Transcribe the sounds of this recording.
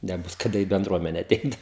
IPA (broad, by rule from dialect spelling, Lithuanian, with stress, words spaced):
nʲɛˈbʊs kɐˈdɐ iː bʲɛnˈdruɔmʲɛnʲɛ ɐˈtʲɛɪt